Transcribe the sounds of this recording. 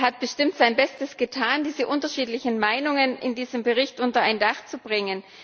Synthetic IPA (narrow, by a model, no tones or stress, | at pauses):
ɦat̚b̥əʃtɪmtz̥aɪnbɛstəsɡ̥ətʰaːndiːzəʔʊntɐʃiːtlɪçn̩maɪnʊŋənɪ̰ndiːzəmbəʁɪçtʔʊntɐaɪndaχt͡subʁɪŋən